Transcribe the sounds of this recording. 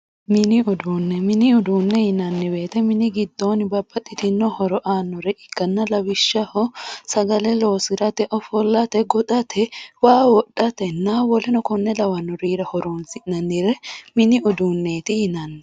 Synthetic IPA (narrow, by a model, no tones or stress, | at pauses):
mɪnɪʊd̪uːnːɛmɪnɪʊd̪uːnːɛjɪnɐnːɪbe̞ːt̪ɛmɪnɪɡɪd̪ːoːnɪbɐbːɐt̪ʼːɪt̪ɪnːɔhɔɾɔʔaːnːɔɾɛʔɪkːɐnːɐlɐwɪʃːɐhɔsɐɡɐlɛloːsɪɾɐt̪ɛʔɔfɔlːɐt̪ɛɡɔᶑ̪ɐt̪ʰɛwaːwɔɗɐt̪ɛnːawɔlɛnɔkɔnːɛlɐwɐnːɔɾiːɾɐhɔɾoːnsɪʔnɐnːɪɾɛmɪnɪʊd̪uːnːeːt̪ɪjɪnɐnːɛ